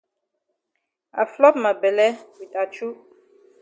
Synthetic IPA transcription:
a̰˨flɔ˦p̚ma˨bɛ˨lɛ˦wi˨ta˨t͡ʃu˦

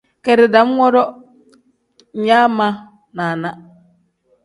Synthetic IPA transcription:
kɛ˨ɾɪ˨da˨˦m˦ŋɔ˦ɾɔ˦ | ɲ̩˨ɲaː˦mã˦ | na˨na˦

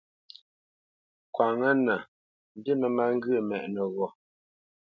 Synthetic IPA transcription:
kwa˨ŋə˦na˨ | n˨di˦mə˨ma˦ŋ̩˦ɡə˨mɛ˨ʔnə˨ɣɔ˨

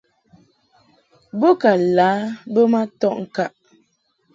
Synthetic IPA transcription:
bo˦ka˨laː˨˦bə˦ma˦tɔ˦ʔŋ̩˨ka˦˨ʔ

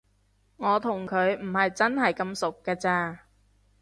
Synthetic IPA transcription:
ŋɔː˨˧t̪ʰʊ˨˩ŋkʰɵ˨˧ɥm̩˨˩hɐ˨jt͡sɐ˥nɦɐ˨jkɐ˧msʊ˨kːaː˧t͡saː˧

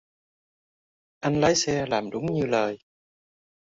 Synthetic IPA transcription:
ʔa˧nlaː˨˦jsɛ˧laː˨˩mɗʊ˨˦ŋ͡mɲɨ˧ləː˨˩j

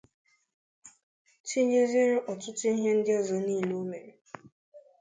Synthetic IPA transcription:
t͡ʃi˦ɲe˦zi˦ɾʔɔ˨tʊ˦t͡ʃɪ˦ɦe˦n̩˦de˦˨zɔ˨niː˦˨lu˦me˨˦

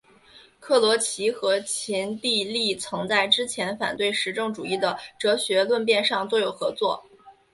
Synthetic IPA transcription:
kʰɤ˥˩lwɔ˧˥t͡ɕʰi˧˥xɤ˧˥t͡ɕʰi˧˥nt̪i˥˧li˥˩t͡sʰɤ˧˥ŋt͡sa˥˩ɪʈ͡ʂɻ̩˥t͡ɕʰjɛ˧˥nfa̰˨˩nt̪we˥˩ɪʂɻ̩˧˥ʈ͡ʂɤ˥˩ŋʈ͡ʂu˨˩i˥˩d̪ə˩ʈ͡ʂɤ˧˥ɕɥɛ˧˥lwə˥˧npjɛ˥˧nʂɑ˥˩ŋt̪o˥ʊjo˨˩ʊxɤ˧˥t͡swɔ̰˥˩

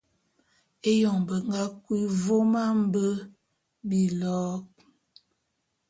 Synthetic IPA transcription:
e˦jɔ˨ŋbə˨ŋɡa˦kwi˦vo˦ma˦m̩˦bə˦ | bi˨lɔ˦k̚

